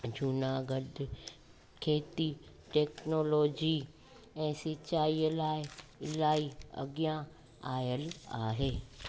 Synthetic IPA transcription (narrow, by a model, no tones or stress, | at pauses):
d͡ʑʊnaːɡəd̪ | kʰeːt̪i | ʈeːknoːloːd͡ʑi | ɛ̃ːsɪt͡ʃaːilaːɪlaːiɐ̰ɡjã | aːjəla̰ːɦeː